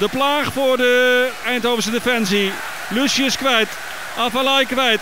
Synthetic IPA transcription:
dəplaːχfʊːɹdəɛjntowvəɹs̬ədefɛnsi | lʉsiɪskʋɛjt | ɑfəlɛjkʋɛjt

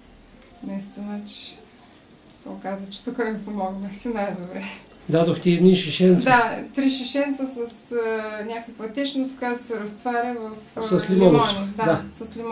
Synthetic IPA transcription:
nɐist̪inət͡ʃɛ̥ | sɛokazət͡ʃɛ̥t̪ukəmipomɔɡnəxsinajd̪obɾɛ | d̪ad̪oxt̪iɛd̪niʃiʃɛnt̪sd̪at̪ɾiʃɛʃɛnt̪səsɐsnʲakəkvɐt̪ɛt͡ʃnost̪kojat̪o̥sɛɾɐst̪vaɾʲəvɐfsɐslilmiɔnɛɔnd̪aasɐslim

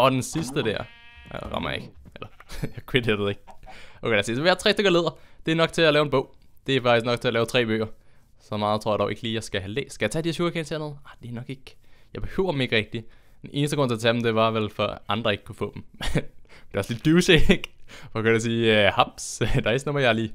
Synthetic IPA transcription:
ɒ̽d̥ensisd̥əd̥æɐ̰ | ʁɑ̰mɐ̰jɑe̝ɡ̥ʔelɐjakʰwed̥edeeɡ̥̚ʔoʊejɑsisʋeæt͡sʰʁɛ̰ːsdøɡ̥ɐle̝ð̞̰ˠɐd̥e̝æɐnɒ̽ɡ̥̚t͡sʰe̝ælɛːʊenbɔ̽ʊ̰d̥e̝æɐfɑɡ̥isɡ̥nɒ̽ɡ̥̚t͡sʰe̝ælɛːʊt͡sʰʁɛ̰ːb̥ø̰ːɐsɒ̽mɑ̈ːðˠt͡sʰo̝ɐɑdɒʊe̝ɡ̥liːjɑ̈ɪsɡ̥æɦælḛːsɡ̥æjɑ̈t͡sʰædi̥eɐɕjuɐkʰensʰeɐnð̩ˠɑd̥e̝ænɒ̽ɡ̥e̝ɡ̥jɑ̈ɪb̥e̝hø̰ʊɐd̥m̩e̝ɡ̥əʁɛɡ̥̚d̥id̥ennʔe̝ːnəsd̥ə̥ʁɔ̰t͡se̝ɐt͡sʰæd̥em̩d̥e̝ʋɑ̈ʋelfɒʔɑ̈nd̥ʁɐe̝ɡ̥̚kʰufɔ̰ːd̥m̩mend̥e̝ɑsle̝d̥̚uːɕeɡ̥ʋɒkʰæjɐs̬iːhɑb̥sd̥ɑesnomɐjɑ̈ɪliː

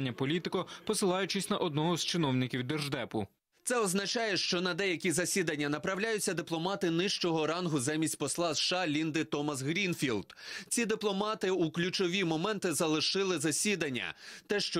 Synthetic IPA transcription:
nʲːɐpɔlʲit̪ɪkɔpɔsɪlˠɑjʊt͡ʃɪsʲnɐʔɔd̪nɔɦɔzt͡ʃɪnɔwnʲɪkʲiwd̪erʒd̪ɛpʊ | t̪sɛɔznɐt͡ʃɑjɛʃt͡ʃɔnɐd̪ɛjɐkʲizɐsʲid̪ɐnʲːɐnɐpɾɐwlʲajʊt͡sʲːɐd̪ɪplˠɔmɑt̪ɪnɪʃt͡ʃɔɦɔɾɑnɦʊzɛmʲisʲtʲpɔslˠɑzʃɑlʲind̪ɪt̪ɔmɐs̬ɣɾʲinfʲilˠd̪̥t͡sʲid̪ɪplˠɔmɑt̪ɪuklʲʊt͡ʃɔʋʲimɔmɛnt̪ɪzɐlˠɪʃɪlˠɪzɐsʲid̪ɐnʲːɐ̰t̪ɛʃt͡ʃɔ

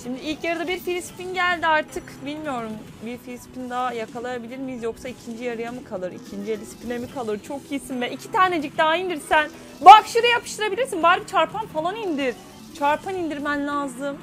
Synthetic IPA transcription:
ʃimd̪iilʲcjaɾɯd̪abiɾfilʲisi̥pinɟælʲd̪iaɾt̪ʰɯkbilʲmijo̞ɾum | biɾfilʲisi̥pʰind̪aajakʰalˠajabilʲiɾmizjo̞ksaicʰind͡ʒijaɾɯjamɯkʰalˠɯɾicʰind͡ʒielʲisi̥pʰinemikʰalˠɯɾt͡ʃʰo̞kisinvɛʔicʰi̥t̪ʰaːned͡ʒic̚d̪aaind̪iɾsæn | bakʃɯɾɯjapʰɯ̥ʃt̪ʰɯɾabilʲiɾsinbaɾbit͡ʃʰaɾpʰanfalˠanind̪iɾ | t͡ʃʰaɾpʰanind̪iɾmænlʲazɯm

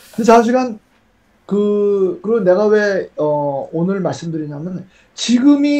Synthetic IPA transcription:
kɯndeshanɕ̬ʰiɡan | kɯkɯɾʌnːe̞ɡabe̞ʌonɯɭmaɭs͈ɯmdɯɾiɲamjʌn | t͡ɕiɡɯmi

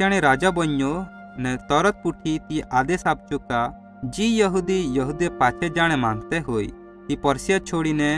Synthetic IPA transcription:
aɽ̃iɾad͡ʒabɔɲːo | nɛt̪ɔɾɔt̪̚puʈʰit̪ijʔad̪esap̚t͡ʃuka | d͡ʒijɔɦud̪ijɔɦud̪epat͡ʃʰɛd͡ʒaɽ̃ɛmãŋɡt̪ɛɦoj | k̪ipɔɾsijat͡ʃʰoɽinɛ

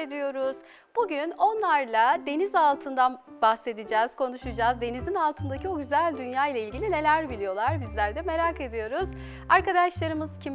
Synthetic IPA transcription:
ed̪ijo̞ɾuz̥ | b̥uɟyno̞nlˠaɾlˠad̪e̞nizalˠt̪ʰɯnd̪anbaxse̞d̪id͡ʒɛːz̥kʰo̞nuʃud͡ʒaːzd̪e̞nizinalˠt̪ʰɯnd̪acʰio̞ɟyzælʲd̪ynjaːjlˠailʲɟilʲine̞lʲæɾbilʲijo̞lˠaɾbizlʲæɾd̪ɛme̞ɾake̞d̪ijo̞ɾuz̥ | aɾkad̪aʃlˠaɾɯmɯz̥cʰim

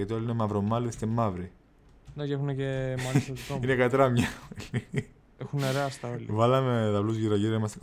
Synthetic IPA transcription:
ɐt̪iolinemɐvɾomɐlest̪emːɐvɾi | necexunecemɐt̪oinekɐt̪ɾɐmɲɐli | exuneɾeɐst̪ɐolḭvɐlɐmeðɐvluzʝiɾɐʝiɾimɐst̪e

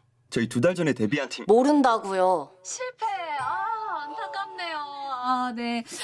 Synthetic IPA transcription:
t͡ɕʌitudaɭd͡ʑʌne̞te̞biantʰimoɾɯndaɡujoɕʰiɭpʰe | antʰakamnejoane̞

